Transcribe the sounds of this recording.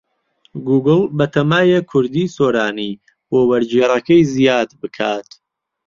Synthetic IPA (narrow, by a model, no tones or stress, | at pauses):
ɡuːɡɨlˠbɐt̪ʰɐmaːjekʰʊɾd̪iːsoːɾaːni | wowɐɾd͡ʒerɐkɐjzijaːd̪bɨkʰaːt̪